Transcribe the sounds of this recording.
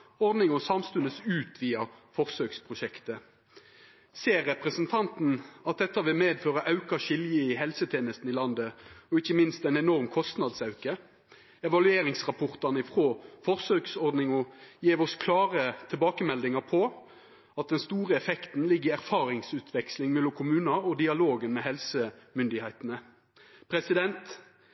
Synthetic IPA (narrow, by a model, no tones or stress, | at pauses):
ɔʁd̪nɪŋɔsɑmst̪ʉnəsʉːt̪ʋiːɑfɔʁsøːkspʰʁʊʃɛkt̪ə | seːʁːɛpʁəsənt̪ʰɑnt̪n̩ɑt̪̚d̪ɛt̪ːɑʋɪlmeːd̪føːʁəʔɑʉkɑʃɪljəɪɦɛlsət̪ʰeːnəst̪n̩ɪlɑnd̪əɔɪçːəmɪnst̪ɛɪnɛnɔʁmkʰɔst̪nɑd̪sɑʉkə | ɛʋɑlʉeːɾɪŋsʁɑpʰɔʁt̪ɑʁnəɪfʁoːfɔʁsøːksɔʁd̪nɪŋɔjeːʋɔskʰlɑːʁət̪ʰɪlbɑːkəmɛld̪ɪŋɑpʰɔ | ɑt̪̚d̪ɛnst̪uːʁəɛfɛkt̪n̩lɪɡːɪæʁfɑːʁɪŋsʉːt̪ʰʋɛkslɪŋmɛlːʊmkʰʊmʉːnɑɔd̪ɪɑloːɡənmɛhɛlsəmʏnd̪ɪhæɪt̪ənə | pʰʁɛsɪd̪ɛnt̪